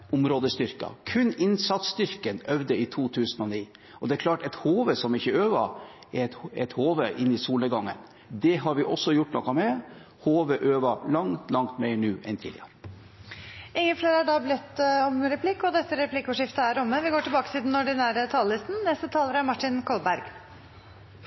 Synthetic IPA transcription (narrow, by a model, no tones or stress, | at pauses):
ʊmɾoːd̪əst̪ʏɾkɑ̰kʰʉnːɪnsɑt̪st̪ʏɾkənœʋd̪əɪt̪ʰuːt̪ʰʉːsənɔniː | ɔd̪ɛæɾkʰlɑːʈɛt̪hoːʋəsɔmɪçːəøːʋɑɛt̪ɛt̪hoːʋəʔɪnːɪsuːləɡɑŋːə̰n | d̪ɛɦɑɾʋɪʔɔsːɔjʊʈːnɔ̰kːɑmɛ | hoːʋəʔøːʋɑlɑŋt̪lɑŋt̪meɪɳʉːʔɛnt̪ʰḭːlɪ̰əɾə | ɪŋːəfleːɾəæɖɑblɪt̪ːɔmɾɛpʰlɪkːɔd̪ɛst̪ːəɾɛpʰlɪkːʊʂɪft̪əæɾʊmːəʋɪɡoːʈɪlbɑːkət̪ʰɪld̪ɛnɔɖɪnæːɾət̪ʰɑːləlɪst̪n̩nɛst̪ət̪ʰɑːləɾæɾmɑʈːɪnkʰɔlbæɾɡ̥